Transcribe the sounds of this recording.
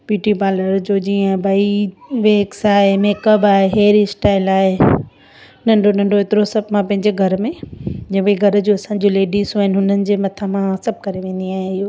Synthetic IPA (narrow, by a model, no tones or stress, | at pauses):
biːʈipaːləɾd͡ʑoːd͡ʑiːə̃bʱɐiʋeːksaːɦemeːkəbaːɦeɦeːɾisʈaːɪlaːɦe | nɐ̃ɳɖonɐ̃ɳɖoet̪ɪɾosɐbmãpɐ̃ɦɪ̃ɲd͡ʑeɡʱɐɾmẽd͡ʑɐ̃ːbiɡʱɐɾd͡ʑoːɐsãːɲd͡ʑoleːɖisɦuɪnɪɦʊnənɪ̆d͡ʑeːmɐt̪ʰamãsɐb̚ʱkɐɾeʋẽːnd̪iaːɦẽɪɦoː